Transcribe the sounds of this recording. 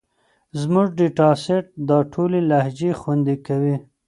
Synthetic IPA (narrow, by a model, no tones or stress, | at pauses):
zmʊʐɖiʈɑseʈ̚d̪ɑʈʰolelahd͡ʒexwand̪ikawi